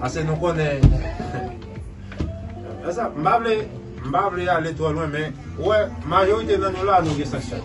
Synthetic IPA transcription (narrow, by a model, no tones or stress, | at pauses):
asɛnũkɔnɛ | ɛsam̩bable | m̩bablealetwɛlwɛ̃mɛ̃ | wɛmajoidenãnũlanũɡesaʃa̰